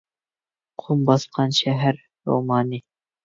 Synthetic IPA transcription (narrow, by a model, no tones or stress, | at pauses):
qʰumbɑsqʰɑnʃæɦæɾ | ɾo̰mɑːni